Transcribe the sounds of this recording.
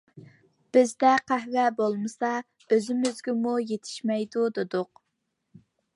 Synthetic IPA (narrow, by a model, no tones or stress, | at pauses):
b̥ɪzd̪ɛqʰæhvɛbolˠmɨsɑ | øzɪmyzɡʲɪmujet̪ʰɪ̥ʃmɛjd̪ud̪ed̪ʊq